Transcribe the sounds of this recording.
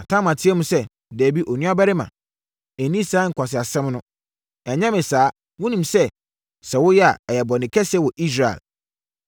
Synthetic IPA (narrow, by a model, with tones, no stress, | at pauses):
a˨tʰã˦mã˨tʰɪ˦ɛ˦mũ˦sɛ˦˨ | dæː˨bi˦ʔɔ˨nĩ˦a˦bɛ˦ɾɪ˦mã̰˨ | æ˨nĩ˦saː˨˦ŋ̩˨kʷa˨s̬ɪ˨a˨sɛ̃˦mnʊ̃˦ | ɛ˨ɲɛ̃˦mɪ̃˨saː˨˦ | wʊ̃˦nĩ˨msɛ˦ | sɛ˨wʊ˦jɛ˦a̰˨ɛ˨jɛ˨bɔ˨nɪ̃˨kʰɛ˦sɛ˦wɔ˨ʔi˦s̬ɾa˨ɛ̰˨l